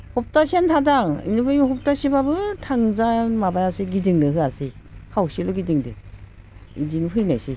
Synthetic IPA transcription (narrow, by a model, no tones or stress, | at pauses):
hɔp̚tasentʰadaŋḭnɯbɯjhɔp̚tasibabɯtʰaŋzanmabajasiɡidɯŋdɯɦɯasi | kʰawsilɔɡidiŋdɯ̰ | idinɦɯjnajsi